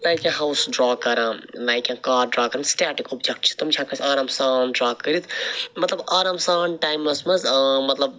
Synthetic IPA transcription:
laːjkẽɦawsɖɾaːkɐɾãlajkãkaːɾɖɾaːkɐɾɐnsʈaːʈikobd͡ʒek̚ʈ̚t͡ʃʰi̥t̪umt͡ʃʰakəɾisɐɾamsaːnɖɾaːkəɾit̪ʰmɐt̪lɐbɐɾɐmsaːnʈaːjmːɐsmɐzmɐt̪lɐb̚

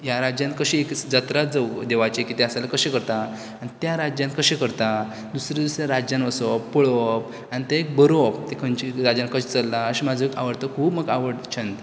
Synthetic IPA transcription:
jaɾad͡ʑjãnt̪̚kəɕiekd͡zat̪ɾat̪d͡zəwd̪eʋat͡ɕekit̪eəsajlakəɕẽkəɾt̪a | anit̪jaɾad͡ʑjãnkəɕẽkəɾt̪a | d̪usɾad̪usɾjaɾad͡ʑjanəsɔpuɭop | anit̪əek̚bəɾop̚t̪ekʰənt͡ɕiɾad͡ʑjãnkəɕet͡səlːaəɕimad͡zʱəekaʋəɽt̪əkʰuːbməɡaʋəɽt͡ɕʰə̃nt̪

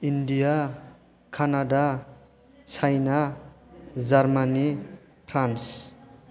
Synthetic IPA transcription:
inɖija | kʰanada | t͡sʰajna | d͡zaɾmani | pʰɾans

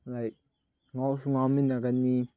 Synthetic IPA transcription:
laɪk̚ | ŋɔsuŋaminaɡani

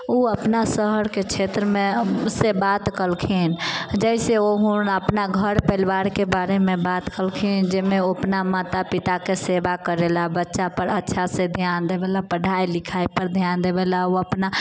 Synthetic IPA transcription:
uəpnasəɦəɾket͡ʃʰeːt̪ɾəmẽsebat̪kəlkʰind͡ʒɛɪseoɦunəpnaɡʱəɾpɛɪlʋaːɾkebaːɾemẽbaːt̪kəlkʰind͡ʒemẽoəpnamaːt̪apɪt̪akesebakəɾelabətːʃapəɾətːʃʰased̪ʱjaːnd̪eːbeːlapəɽʱaːilɪkʰaːipəɾd̪ʱjaːnd̪ebelaoəpna

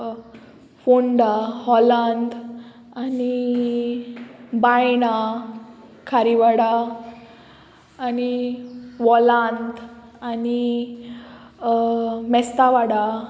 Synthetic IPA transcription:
foɳɖahɔland̪ | ani | bajna | kʰaɾiʋaɽa | ni | ʋɔland̪ani | mɛst̪aʋaɽa

